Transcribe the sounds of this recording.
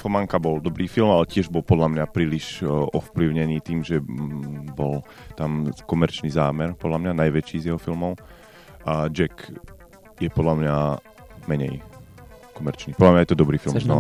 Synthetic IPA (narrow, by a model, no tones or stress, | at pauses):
fɔmaŋkabɔld̪ɔbɾiːfilmalɛcɪɛʒbɔlpɔd̪lamɲapɾiːliʃɔfpliʊɲɛniːt̪iːmʒɛ | bɔl | t̪amkɔmɛɾt͡ʃnizaːmɛɾpɔd̪lamɲanajʋɛt͡ʃiːzjɛɦɔfilmɔʊ | ʔad͡ʒɛk | jɛpɔd̪lamɲa | mɛɲɛ̰j | kɔmɛɾt͡ʃniːpɔd̪lamɲajɛt̪ɔd̪ɔbɾiːfilmnɔ